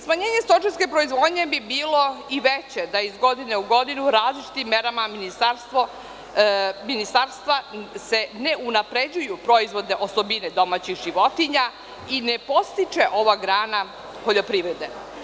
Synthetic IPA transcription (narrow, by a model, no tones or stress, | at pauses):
smaɲe̞ːɲe̞st̪o̞t͡ʃiske̞pɾoizʋo̞ːd̪ɲe̞bibiːlo̞iʋet͡ɕe̞d̪aizɡo̞d̪ine̞uɡo̞d̪inuɾaːzlit͡ʃi̥t̪imːe̞ɾamaminist̪aɾst̪ʋo | minist̪aɾst̪ʋase̞ne̞unapɾe̞d͡ʑujupɾo̞izʋo̞d̪eʔo̞sobined̪o̞mat͡ɕixʒiʋo̞t̪iɲa | inepo̞st̪it͡ʃe̞ʔo̞ʋaɡɾaːna | poʎo̞pɾiːʋɾed̪e